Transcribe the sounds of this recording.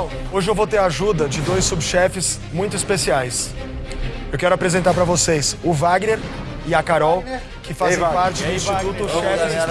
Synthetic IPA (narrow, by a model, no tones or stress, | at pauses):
ɐ̃w̃ | oʒɪewvowt̪eɾaʒud̪ɐd͡ʒɪd̪ojsubʃɛfɪs | mũj̃t̪ʊispesiajs | ewkɛɾʊapɾezẽnt̪aɾpɾɐvosejsʊvaɡneɾ | ɪakaɾɔw | kɪfaz̃ṽapaɾt͡ʃɪʊsʃiut̪ʊʃɛɪf